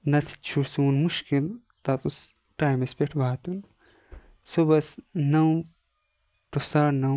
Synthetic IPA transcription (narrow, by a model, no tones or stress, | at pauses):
nɐt͡sʰi̥t͡ʃʰuɽsuunmuʃkil | t̪ɐt̪us | ʈaːjmɐspʲeʈʰbaːt̪un | sobɐsnɐw | ʈosaːɾnɐw